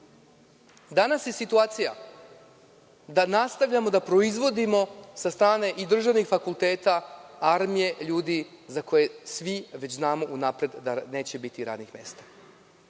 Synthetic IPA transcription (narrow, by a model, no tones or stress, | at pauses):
d̪anasje̞sit̪uaːt̪sija̰ | d̪anast̪aʋʎʲamo̞d̪apɾo̞izʋo̞d̪imo̞sast̪ɾaːne̞ʔid̪r̩ʒaʋnixfakulˠt̪e̞ːt̪aaɾmije̞ʎuːd̪i | zako̞je̞sʋiʋe̞t͡ɕznaːmo̞ʔunapɾe̞d̪d̪ane̞ːt͡ɕe̞bit̪iɾa̰d̪nixme̞̰ːst̪ḁ